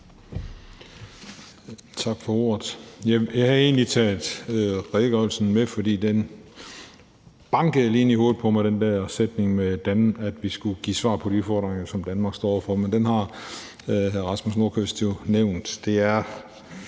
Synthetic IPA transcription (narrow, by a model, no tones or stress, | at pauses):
t͡sʰɑ̈ɡ̥fɒ̽o̝ɐ̰ð̩ˠjɑɪjɑ̈ɪhæe̝̰ːnlit͡sʰɛ̰ːldˠʁeɡ̥ɒlsən̩mefɒ̽d̥ḭːd̥en | b̥ɑ̈ŋɡ̥əð̩ˠleːniho̝ːð̩ˠpʰɒ̽mɑ̈ɪɾ̥end̥æɐsed̥ne̝ŋmed̥ænæd̥ʋisɡ̥uɡ̥ḭːsʋɑ̰̈ːpʰɒ̽d̥iufɒːd̥ʁeŋɐsɒ̽md̥ænmɑ̈ːɡsd̥ɒ̰ːɒ̰ʊɐfɒ̽mend̥enɦɑ̈ | ɦæʁɑ̈smusno̝ɐkʰøsd̥jo̝neʊ̰nd̥d̥e̝æɐ